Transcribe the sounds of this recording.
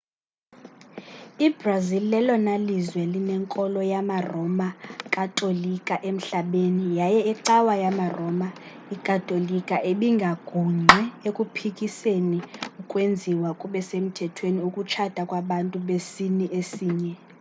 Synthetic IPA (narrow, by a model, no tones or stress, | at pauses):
ibrazillɛlɔnalizwɛlinɛŋkʼɔlɔjamarɔmakʼatʼolikʼaʔem̩ɬaɓenijajɛiǀawajamarɔma | ikʼatʼolikʼaʔeɓiŋɡʱaɡ̥ʱuŋ͡ǃʱɛekʼupʰikʼiseniukʼwend͡zʱiwakʼuɓɛsem̩tʰɛtʰweniukʼut͡ʃʰad̥ʱakʼwaɓantʼuɓesiniʔesiːɲɛ